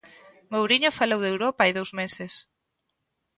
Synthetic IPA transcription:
mowɾiɲofalowðewɾɔpaajðowzmesɪs

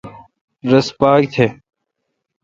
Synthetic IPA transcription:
ɾəspaːɡ̚t̪ʰeː

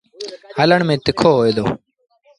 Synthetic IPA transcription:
ɦələɳmẽːt̪ɪkʰoːɦoːeːd̪o̰ː

